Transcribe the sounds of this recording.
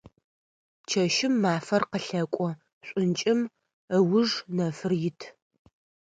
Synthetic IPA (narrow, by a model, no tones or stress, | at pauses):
t͡ʃʰɐʃɪmːaːfɐrqəɬɐkʷʼɔ | ɕʷʼʊnt͡ʃʼɪm | əwʊʐnɐfɨrjɪtʰ